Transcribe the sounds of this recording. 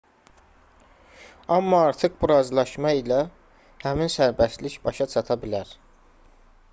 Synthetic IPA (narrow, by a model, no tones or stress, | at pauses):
ɑmːɑɑɾt̪ʰɯχbuɾɑzlˠɑʃmɑilæ | hæminsæɾbæsliçbɑʃɑt͡ʃʰɑt̪ʰɑbilæɾ̥